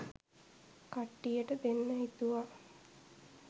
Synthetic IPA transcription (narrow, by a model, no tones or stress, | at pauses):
kaʈːijəʈəd̪enːəɦit̪uʋa